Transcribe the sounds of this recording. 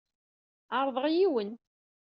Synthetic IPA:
əɾˤðˤəʁjiwən

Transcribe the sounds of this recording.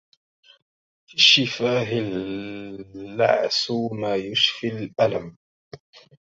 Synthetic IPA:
fiʃɪfaːɦɪl | a̰ʕsmaːjʊʃfilʔalam

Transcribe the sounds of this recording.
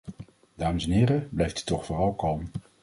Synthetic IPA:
d̥aːməsɛnɦɪːɾəblɛjftə̥tːɔχfʊːrɑlˠkɑlˠm

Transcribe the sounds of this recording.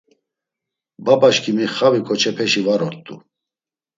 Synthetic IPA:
babaʃkʰimiχavikʰʼɔt͡ʃʰɛpʰɛʃivaɾɔɾt̪ʼṵ

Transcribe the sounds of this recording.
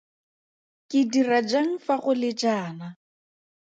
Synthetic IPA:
kʼɪdirad͡ʒaŋ̩faɣʊlɪd͡ʒaːna

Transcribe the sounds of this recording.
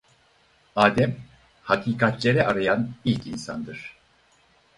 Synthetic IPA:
aːd̪ɛm | hakʰiːkʰat̪ʰlʲe̞ɾɛʔaɾajanilʲcinsa̰nd̪ɯɾ̥

